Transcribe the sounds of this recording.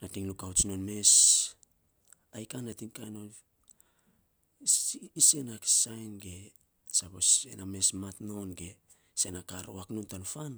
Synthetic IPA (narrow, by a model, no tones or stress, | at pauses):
natiŋlukawt͡ʃnonme̞s | ajkanːatiŋkajnon | ise̞naki̥sajnɡe̞ | sapo̞sename̞smatno̞nɡe̞ | se̞nakaɾoaknontanfan